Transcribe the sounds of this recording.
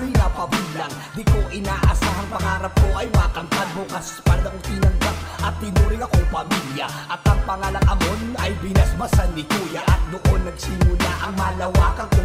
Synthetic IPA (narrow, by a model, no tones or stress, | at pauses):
ɾinɐpɐbilɐŋ | d̪ɪkoʔɪnaʔɐsaːɦɐŋpɐŋaːɾɐp̚koʔɐjwaːkɐŋpɐd̪̚bokɐspɐlɐŋt̪inɐŋbakʔɐt̪̚hɪnuːɾɪŋɐkoŋpɐmiljɐ | ʔɐt̪ɐŋpɐŋalɐŋʔɐmo̞nɐjbɪnɐsbɐsanːɪkuːjɐʔɐt̪̚d̪oʔonːɐɡsɪmʊla̰ʔɐŋmɐlɐwakɐŋk